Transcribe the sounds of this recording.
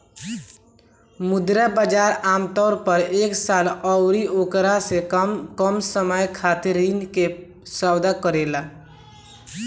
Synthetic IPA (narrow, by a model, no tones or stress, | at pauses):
mud̪ɾəbəd͡ʒaɾamt̪ɔʊɾpəɾeksalɔʊɾiokɾasekəmsəməjkʰat̪eɾinke | səwd̪akəɾela